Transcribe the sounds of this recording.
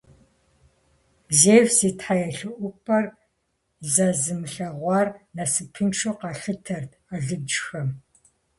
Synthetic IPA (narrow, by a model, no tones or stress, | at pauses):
zeːvz̥eːtħajɛɬɨʔʷʊpʰʼɐr | zɐzɨmɨɬɐʁʷɑrnɐsɨpʰɨnʃʰuːqɑɬɨtʰɐrd | aɮɨb̚d͡ʒxɐm